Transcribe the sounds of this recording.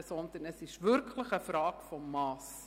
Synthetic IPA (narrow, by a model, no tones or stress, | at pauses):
sɔnd̪ənəsɪʃʋʏɾkʰləxəfɾɑːkfɔmːɑːs